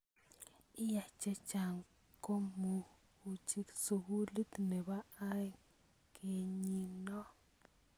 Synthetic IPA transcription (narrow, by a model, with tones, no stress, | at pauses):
i˦ja˨t͡ʃe˦t͡ʃa˨ŋ | ko˦mu˧ | u˨t͡ʃi˦ksu˨˧hu˦li˦t̪ne˨βa˦a˦j | ke˨ɲi˧no˦